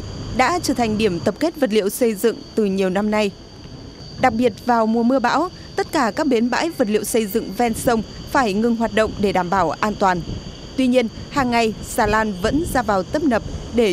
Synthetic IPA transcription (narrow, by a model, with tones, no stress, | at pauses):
ɗa̰ː˧˥t͡ɕəː˧˩t̪ʰa˨˩jŋ̟ɗi˧˩əmt̪ə˨˩p̚ke˦˥t̚və˨˩t̚lḭ˧˨əwsə˧jzɨ̰˧˨ŋt̪ɨ˨˩ɲi˨˩əwna˧mna˧j | ɗa˨˩k̚ɓi˨˩ət̚vaː˨˩wmu˨˩əmɨ˧əɓa̰ː˧˥w | t̪ə˦˥t̚kaː˧˩kaː˦˥k̚ɓi˨˦nɓa̰ː˧˥jvə˨˩t̚lḭ˧˨əwsə˧jzɨ̰˧˨ŋvɛ˧nsə˧wŋ͡mfaː˧˩jŋɨ˨˩ŋɦwaː˨˩t̚ɗə̰˧˨wŋ͡mɗe˧˩ɗaː˧˩mɓaː˧˩wʔaː˧nt̪waː˨˩n | t̪wi˧ɲi˧ən | haː˨˩ŋːa˨˩jsaː˧˩laː˧nvə̰˧˥nzaː˧vaː˨˩wt̪ə˦˥p̚nə˨˩p̚ɗe˧˩